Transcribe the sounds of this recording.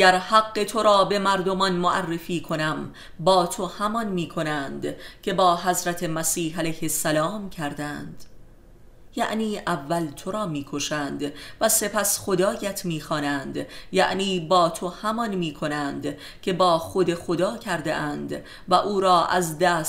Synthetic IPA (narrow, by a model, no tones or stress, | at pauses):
æɾhæɡːe̞t̪ʰo̞ɾɒːbe̞mæɾd̪o̞mɒnmoʔærːe̞fiːkʰo̞næm | bɒːt̪ʰo̞hæmɒnmiːkʰo̞nænd̪̥cʰe̞bɒːɦæzɾæt̪ʰe̞mæsiːhælæjhe̞sːælɒːmcʰæɾd̪ænd̪̥ | jæ̰ʔniːʔævːælt̪ʰo̞ɾɒːmiːkʰo̞ʃæːnd̪væse̞pʰæsχo̞d̪ɒːjæt̪ʰmiːxɒːnænd̪jæ̰ʔniːbɒːt̪ʰo̞hæmɒnmiːkʰo̞nænd̪ | cʰe̞bɒːxod̪e̞xo̞d̪ɒːcʰæɾd̪ḛʔænd̪ | væʔuːɾɒːʔæzd̪æːs